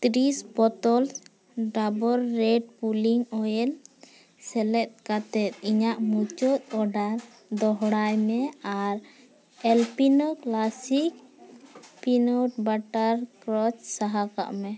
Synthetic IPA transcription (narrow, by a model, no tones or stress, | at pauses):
t̪ɾisbɔt̪ɔls | ɖabɔɾːɛɖ̚puliŋɔjɛl | sɛlɛt̪̚kat̪ɛt̪̚iɲaʔmut͡ʃɔt̪̚ɔɖaɾ | d̪ɔɦɽajmɛaɾ | ɛlpinɔklasik̚ | pinɔʈbaʈaɾkɾɔt͡ʃsaɦaka̰ʔmɛ